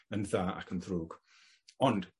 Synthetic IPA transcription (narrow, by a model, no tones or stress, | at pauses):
ənðaːʔa̰kʰənðruːɡ | ɔnd̥